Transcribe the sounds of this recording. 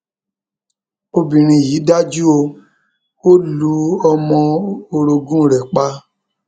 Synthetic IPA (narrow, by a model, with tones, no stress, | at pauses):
o˧bĩ˨ɾ̃ĩ˧ji˨˦da˦d͡ʒu˦o˧ | o˦lu˨˦ɔ˧mɔ̃˧o˧ɾo˧ɡũ˦˨ɾɛ˨k͡pa˧